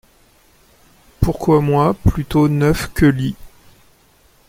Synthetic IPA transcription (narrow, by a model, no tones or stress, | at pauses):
puʁkwamwãplyt̪onœfkʲəli